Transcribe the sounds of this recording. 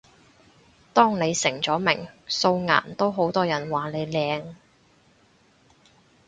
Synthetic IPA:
t̪ɔː˥ŋne˨˧jsɪ˨˩ŋt͡sɔː˨˥mɪ˨˩ŋso˧wŋa̰ː˨˩nt̪o˥wɦo˨˥wt̪ɔː˥jɐ˨˩nwaː˨˩le˨˧jlɛː˨˧ŋ

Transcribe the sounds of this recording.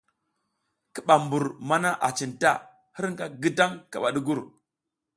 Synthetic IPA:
ki˦˨ɓa˨mbu˨ɾma˦na˦ʔa˨t͡ʃi˨nta̰˦˨ | hi˦ɾŋɡa˦ɡi˦da˦ŋka˨ɓa˨ɗi˦ɡu˦ɾ

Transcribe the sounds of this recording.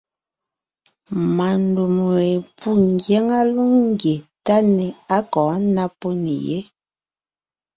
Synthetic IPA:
ma˨ndu˨m˨e˨pu˦ŋɡjɛ˦ŋa˦lu˦ŋŋ˦ɡje˨ta˦nɛ˨a˦kɔ̃ː˨˦na˦po˦nḭ˨jḛ˦

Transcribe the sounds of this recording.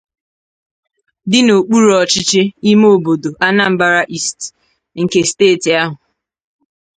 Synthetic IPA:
dɪ˦no˨k͡pu˦ɾɔ˨t͡ʃɪ˦t͡ʃɪ˦i˦moo˨bo˨do˨ʔa˦na˦m̩˦ba˦ɾa˦ʔi˦st | ŋ̩˨ke˦steː˦˨ti˨a˦ɦʊ˨

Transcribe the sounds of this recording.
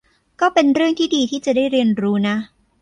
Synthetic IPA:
kɔː˥˩pe˧nɾɯ˥˩əŋt̪ʰiː˥˩diː˧t̪ʰiː˥˩t͡ɕa˨˩daː˥˩jɾi˧ənɾuː˦˥na˦˥

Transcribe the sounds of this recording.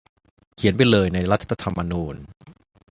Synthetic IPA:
kʰi˨˩˦np̬a˧jlɤː˧jna˧jɾa˦˥t̪ʰːat̪ʰːa˧t̪ʰa˧mːa˧nuː˧n

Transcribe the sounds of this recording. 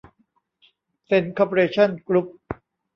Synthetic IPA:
se˧˥nkʰɔ˧pʰo˧ɾeː˧t͡ɕʰa˥˩nkɾu˦˥p̚

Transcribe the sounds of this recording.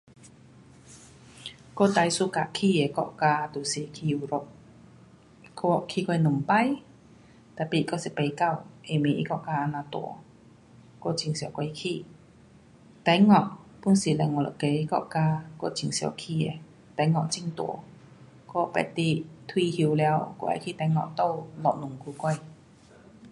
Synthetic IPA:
ko˧˨t̪a˧˨jsu˧˨ka˧˨kʰiː˧˨e˨kɔ̰˧˨ʔkaː˧t̪u˨si˨kʰi˧ɾɔ˧ʔ | ko˧˩kʰiː˧kɔ˧nu˨mpa˧˨j | t̪a˧˩pi˧˨kɔ˧˥˨si˨pe˧jka˧˨wʔe˨me˨ʔḭ˧˦kɔ˧˨ʔkaː˧ʔa˧naː˧t̪o̰˨˦ | ko˧˥˨t͡ɕʰi˨ŋsi˨wkʷa˧i˧kʰi˧˨ | t̪ɛ˨˦jŋɔ˧˩˨ʔpu˧˥˨nsi˨˩lɛ˧˩ŋɔ˧˨lɔ̰˨˧˨ke˨˧˦kɔ̰˧˨ʔkaː˧kɔ˧˩˨t͡ɕi˨˩˨ŋsi˨ɔ̰˧˩kʰi˧˨e˨˩ | t̪ɛ˧˦ŋɔ˧ʔt͡ɕi˧˨ŋt̪ṵ˨˦ | kɔ˥˧˩pɛ̰˧˩t̪i˧t̪ʰwi˧hi˧wlɛ˧wkɔ̰˧˩ʔa̰˧˨jkʰiː˧˨t̪ɛ˨˧˦jŋɔ̰˧ʔt̪o˧˨wlɔ˧˨ʔ̚nu˨˩ŋkʰu˧kɔ˧˩j

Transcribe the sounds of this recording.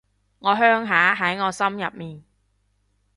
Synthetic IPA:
ŋɔː˨˧ɦœː˥ŋɦaː˨˥ɦɐ˨˥jŋɔː˨˧sɐ˥mjɐ̰˨p̚miː˨n

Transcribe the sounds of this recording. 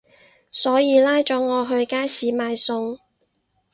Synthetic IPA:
sɔː˨˥jiː˨˧laː˥jt͡ʃɔː˨˥ŋɔː˨˧ɦɵ˧ɥkaː˥jsiː˨˥maː˨˧jsʊ˧ŋ

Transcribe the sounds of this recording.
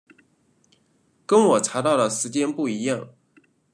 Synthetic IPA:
kə˥nwɔ˨˩ʈ͡ʂʰa˧˥t̪ɑ˥˩ʊlə˩ʂɻ̩˧˥t͡ɕjɛ˥npu˥˩i˧˥jɑ˥˩ŋ

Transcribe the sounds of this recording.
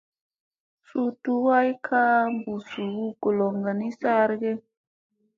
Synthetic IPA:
su˨tu˨wa˦i˦kʰa˦mbu˨su˨wu˦ko˨lɔ˨ŋɡa˨ni˦sa˦ɾɡɛ˦

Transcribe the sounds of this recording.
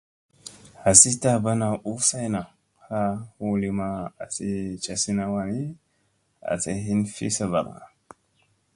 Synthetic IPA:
a˨si˦ta˦ba˦na˨ʔu˦sa˦jna˨ | ha˦hu˦li˦ma˦a˨si˦t͡ʃa˦si˦na˦wa˨ni˦ | a̰˨se˦ɦi˦nfḭ˦sa˦˨ba˨ka̰˨

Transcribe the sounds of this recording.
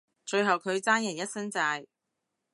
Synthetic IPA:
t͡ʃɵ˧ɥɦɐ˨wkʰɵ˨˧ɥt͡saː˥njɐ˨˩njɐ˥t̚sɐ˥nt͡saː˧j

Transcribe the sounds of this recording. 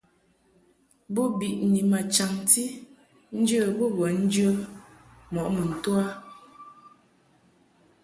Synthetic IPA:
bo˦bi˨ʔni˨ma˨t͡ʃa˨ŋti˦ | n̩˦d͡ʒə˦˨bo˦bə˨n̩˦d͡ʒə˦ | mɔ˨ʔmə˨n̩˨twa˦

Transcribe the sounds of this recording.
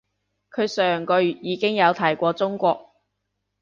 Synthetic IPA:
kʰɵ˨˧ɥsœː˨˩ŋkɔː˧jyː˨˩t̚jiː˨˧kɪ˥ŋjɐ˨˧wt̪ʰɐ˨˩jkʷɔː˧t͡sʊ˥ŋkʷɔː˧k̚

